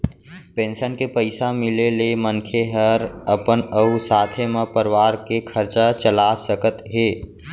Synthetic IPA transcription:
pẽːnsənkepəɪsamɪleleməŋkʰeɦəɾəpənəʊsaːt̪ʰemepəɾʋaːɾkekʰəɾt͡ʃat͡ʃəlasəkət̪ɦeː

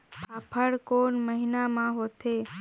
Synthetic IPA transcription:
paːpʰəɽkoːnməɦinamãɦot̪ʰe

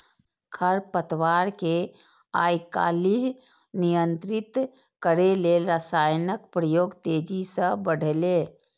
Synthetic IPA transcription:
kʰəɾpət̪waːɾke | aːjka̰ːliɦ | nijə̃nt̪ɾɪt̪ | kəɾeleɾəsaːjnəkpɾəjoːɡt̪eːd͡ʒisə̃bəɽ̤ʱle

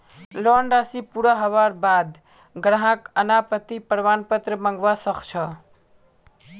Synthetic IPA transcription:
lɔɳɖasipuɾaɦəʋaɾbad̪ | ɡɾaɦakənapət̪ipəɾʋanpət̪ɾəməŋɡʋasəkt͡ʃʰə

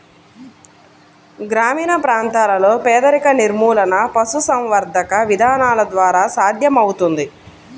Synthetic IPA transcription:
ɡɾaːmiːnɐpɾaːnt̪aːlɐlo̞ːpɛːd̪ɐɾikɐniɾmuːlɐnɐpɐsusɐmʋɐɾd̪ɐkɐʋid̪ʱaːnaːlɐd̪ʋaːɾaːsaːd̪ʱjɐmɐwut̪und̪i

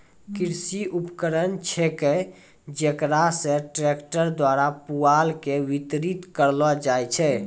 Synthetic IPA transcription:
kiɾsiʔupkəɾənt͡ʃʰɛke | d͡ʒekɾasẽʈɾekʈəɾd̪waɾapualkeʋit̪ɾit̪kəɾlɔd͡ʒajt͡ʃʰɛ

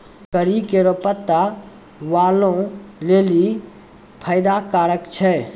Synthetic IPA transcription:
kəɾikeɾopət̪ːa | ʋaːlõleːli | pʰəjd̪akaːɾəkt͡ʃʰɛ

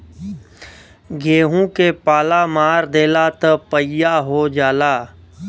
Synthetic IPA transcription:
ɡʱeːɦũkepaːlamaːɾd̪eːlat̪əpəjaɦod͡ʒaːlaː

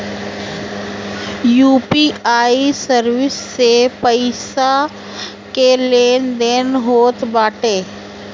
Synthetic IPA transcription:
juːpiaːisəɾwɪsːepəɪsa | keleːnd̪eːnɦoːt̪baːʈeː

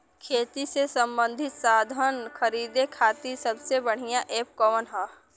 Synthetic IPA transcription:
kʰeːt̪isesə̃mbə̃nd̪ʱɪt̪saːd̪ʱənkʰəɾiːd̪ekʰaːt̪isɐbsebəɽ̤ijãʔeːp̚kɔʋənɦa

